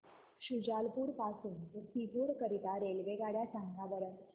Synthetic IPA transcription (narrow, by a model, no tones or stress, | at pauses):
ɕud͡ʑalpuːɾpasuːntəsipuɾkəɾit̪aɾelʋeɡaɽjasãŋɡabəɾət